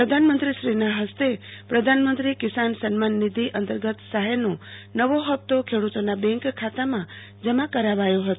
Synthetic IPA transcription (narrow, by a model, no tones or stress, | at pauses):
pɾəd̪ʱanmənt̪ɾiʃɾinaɦəst̪epɾəd̪ʱanmənt̪ɾikisansənmanːid̪ʱiʔənt̪əɾɡət̪saɦenõnəʋoɦəp̚t̪okʰeɽut̪onabɛ̃ŋkkʰːat̪amã | d͡ʒəmãkəɾaʋajoɦət̪